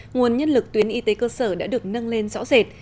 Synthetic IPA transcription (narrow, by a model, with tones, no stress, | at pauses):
ŋu˨˩ənɲə˧nlɨ˨˩k̚t̪wi˨˦ənʔi˨˦t̪e˨˦kəː˧səː˧˩ɗa̰ː˧˥ɗɨ˨˩ək̚nə˧nle˧nzɔ̰˧˥wzɛ˨˩t̚